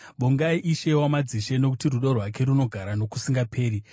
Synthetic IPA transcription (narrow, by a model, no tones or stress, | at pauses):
ɓoŋɡaiʔiʃe̞wamad͡ziʃe̞no̞kutiruɗorwak̬e̞ɾuno̞ɡʱaɾano̞ku̥siŋɡapʰe̞ːɾi